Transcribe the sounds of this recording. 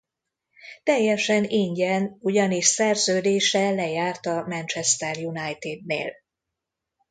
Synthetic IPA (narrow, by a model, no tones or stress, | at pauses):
t̪ɛjːɛʃɛniɲɟɛnuɟɒniʃsɛrzøːd̪eːʃɛlɛjaːrt̪ɒmɛnt͡ʃɛst̪ɛrjunajt̪id̪̚nḛːl